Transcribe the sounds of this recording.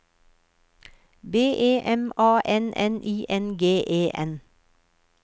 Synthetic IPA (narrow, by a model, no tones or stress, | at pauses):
beːʔeːʔɛmɑːʔɛnʔɛnʔiːʔɛnɡeːʔeːʔɛn